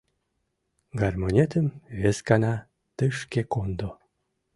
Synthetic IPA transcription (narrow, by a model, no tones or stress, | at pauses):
ɡarmonʲet̪əmβeskɑnɑ | t̪ɨʃkekond̪o